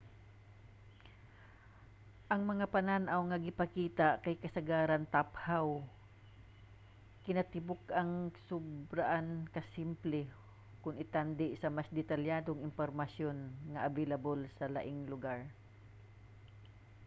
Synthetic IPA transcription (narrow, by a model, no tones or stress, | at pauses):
ʔɐŋmɐŋapɐnanʔawŋɐɡɪpɐkiːt̪akɐjkɐsɐɡaːɾɐnt̪aphaw | kɪnɐt̪ɪbʊkɐŋsʊbɾaʔankɐsimplɛ | kʊnɪt̪and̪ɪʔsɐmasd̪ɛt̪ɐljaːd̪oŋɪnpoɾmɐsjonŋɐʔavelɐbolsɐla̰ʔɪŋlʊɡaɹ